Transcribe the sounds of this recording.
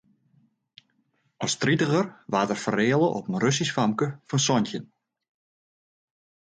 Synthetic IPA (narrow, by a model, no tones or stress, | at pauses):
ɔstritəɣərʋaːtərfəreːəlˠəʔɔpənrøs̬isfamkəfɔnsɔntjən